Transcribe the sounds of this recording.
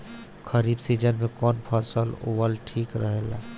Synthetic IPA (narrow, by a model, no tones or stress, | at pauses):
kəɾiːbsiːd͡ʒənmẽkɔːnpʰəsəlo̰ʋəlʈʰiːkɾəɦeːla̰ː